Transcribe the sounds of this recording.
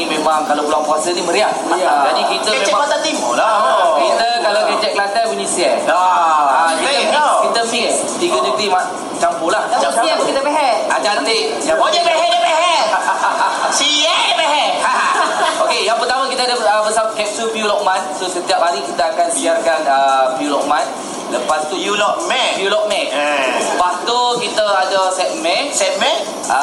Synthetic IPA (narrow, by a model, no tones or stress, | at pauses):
imemaŋkalakulwaʔpuasəniməɾiahd͡ʒadikit̪əəd͡ʒɛaat̪at̪imulakit̪əkalakəd͡ʒɛk̚lant̪apuɲisiɛaakikit̪əfiɛ | t̪iɡəd͡ʒək̚t̪imaʔ | t͡ʃampolahaakit̪əpeɦɛʔad͡ʒat̪eʔ | jaoɲəbeɦɛʔɲapeɦɛ | siaəbɛɦɛʔhaaokejaŋpərt̪amakit̪aadaəbəsakɛp̚supiulɔk̚mãnsosət̪iap̚banikit̪əakanbiarkanəpiulɔk̚man | ləpast̪ujulɔk̚mɛjulɔk̚mɛ̃ʔəpast̪ukit̪əadəsɛt̪̚mɛsɛt̪̚mɛn | a